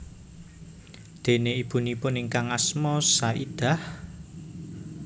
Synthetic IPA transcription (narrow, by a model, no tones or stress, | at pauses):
d̪̥e̤neib̥ṳnipʊnɪŋkaŋasmɔsaʔid̪̥a̤h